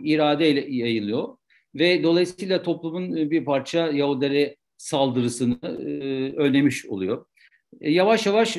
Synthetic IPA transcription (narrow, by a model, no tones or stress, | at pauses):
iɾaːd̪ejlʲɛjajɯlˠɯjo̞ | vɛd̪o̞lˠajisijlˠat̪ʰo̞plˠumunbiɾpʰaɾt͡ʃʰajaud̪eɾɛ | salˠd̪ɯɾɯsɯnɯ | ølne̞miʃo̞̰lˠujo | javaʃjavaʃ